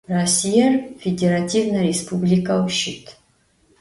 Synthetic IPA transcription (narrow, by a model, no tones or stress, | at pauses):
rɐsʲijarfʲedʲeɾatʲʰivnɐɾʲespʰublʲikɐwʃit̪ʰ